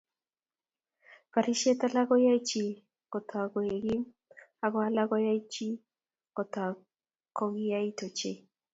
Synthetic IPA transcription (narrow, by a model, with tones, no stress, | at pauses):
pa˨ɾi˦ʃe˦ta˦la˦ɡɔ˦ja˦i˦t͡ʃi˨ | kɔ˨tʰɔ˨a˨ɡo˨e˨ɡiɪ˦ | a˨ɡɔ˦a˦la˦ɡɔ˦ja˦i˦t͡ʃi˦ | kɔ˨ta˨ | kɔ˦ɡi˦ja˦i˦to˨t͡ʃe˦